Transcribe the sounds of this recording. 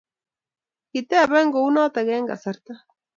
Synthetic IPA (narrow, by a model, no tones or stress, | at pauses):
kit̪eaβeŋɡounat̪aɣeːŋɡa̰saɾt̪a